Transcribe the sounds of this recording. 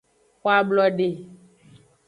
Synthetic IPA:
xo˦a˦blɔ˦ɖe˨

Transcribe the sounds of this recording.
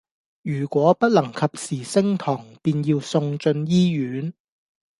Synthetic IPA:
jyː˨˩kʷɔː˨˥pɐ˥t̚lɐ˨˩ŋkʰɐ˨p̚siː˨˩sɪ˥ŋt̪ʰɔː˨˩ŋpiː˧njiː˧wsʊ˧ŋt͡ʃɵ˧njiː˥jyː˨˥n

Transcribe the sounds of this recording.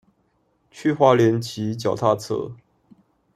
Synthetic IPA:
t͡ɕʰy˥˧xwa˥ljɛ˧˥nt͡ɕʰi˧˥˦t͡ɕjɑ˨˩ʊt̪ʰa˥˧t͡sʰɤ̰˥˩

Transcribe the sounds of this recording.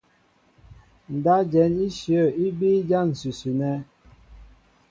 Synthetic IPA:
n̩˨da˦d͡ʒɛ˨˦ni˦ʃjə˦˨i˦bi˦d͡ʒa˦n̩˨sʉ˨sʉ˨nɛ˦

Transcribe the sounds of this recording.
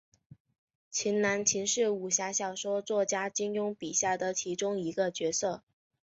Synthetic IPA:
t͡ɕʰi˧˥nna˧˥nt͡ɕʰi˧˥nʂɻ̩˥˩u˨˩ɕja˧˥ɕjɑ˨˩ʊʂwɔ˥ʊt͡swɔ˥˩t͡ɕja˥t͡ɕi˥ŋjʊ˥ŋpi˨˩ɕja˥˩d̪ə˩t͡ɕʰi˧˥ʈ͡ʂʊ˥ŋi˧˥ɡə˧t͡ɕɥɛ˧˥sɤ˥˩

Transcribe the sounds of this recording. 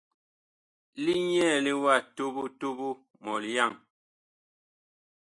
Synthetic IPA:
li˦ɲɛː˦˨li˦wa˦˨to˦bu˦to˦bu˦ | mɔ˨lja˦˨ŋ

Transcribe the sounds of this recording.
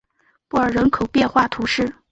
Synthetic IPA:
pu˥˩ə˞˨˩ɻə˧˥nkʰo˨˩ʊpjɛ˥˧nxwa˥˩t̪ʰu˧˥ʂɻ̩˥˩

